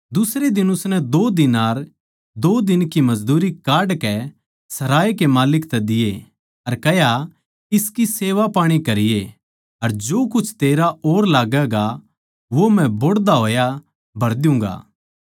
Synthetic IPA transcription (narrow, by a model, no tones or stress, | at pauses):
d̪ʊsɾed̪ɪnʊsnɛd̪oːd̪ɪnaːɾ | d̪oːd̪ɪnkimɐd͡ʒd̪uːɾikaːɾɖkɛ | sɐɾaːikemaːlɪkt̪ɛd̪ɪje | ɐɾkɛja | ɪskiseːʋapaːɽ̃ikɐɾɪje | ɐɾd͡ʒoːkʊt͡ʃʰt̪eːɾaʔoːɾlaːɡɛɡa | ʋomɛ̃boɽd̪aɦoːja | bʱɐɾd̪jʊ̃ːŋ̆ɡa̰ː